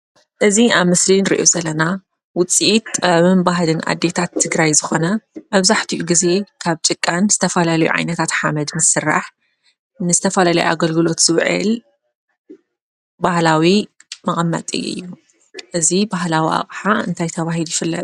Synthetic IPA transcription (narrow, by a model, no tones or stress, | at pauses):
ʔɨziʔaβmɨslinɾḭʔozɐlɐna | wʊt͡sʼiʔit̪aβɨmbaɦlɨnʔa̰d̪ːe̞t̪ʰat̪ʰːɨɡɾajzɨxo̞nɐmɐβzaħt̪ʰiʔuɡize̞kʰaβt͡ʃʼɨkʼːanz̥ɨt̪ʰɐfɐlalɐjṵʕa̰jnɐt̪ʰat̪ħamɐd̪mɨsɨrːa̰ħ | nɨzɨt̪ʰɐfɐlalɐjuʔa̰ɡɐlɡɨlo̞t̪z̥ɨβʕɨ̰l | bahlawimɐχʼɐmːɐ̰t̪ʼɨ̰jɨ̰jːu | ʔɨzibaɦlawiʔa̰βʼħaɨ̰nt̪ʰajt̪ʰɐβaɦilujɪfɨlːɐ̰t̪ʼ